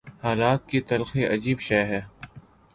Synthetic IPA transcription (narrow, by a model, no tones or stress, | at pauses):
haːlaːt̪̚kit̪ɐlxeʔɐd͡ʒiːbʃɛːɦɛː